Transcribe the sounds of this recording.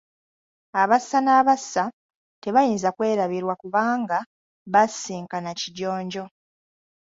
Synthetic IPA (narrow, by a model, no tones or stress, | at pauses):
aβasːanaːβasːa | te̞βajiːnzakwe̞ːɾaβiɾwakuβaːŋɡa | βasiːŋkanaciɟo̞ːɲɟo̞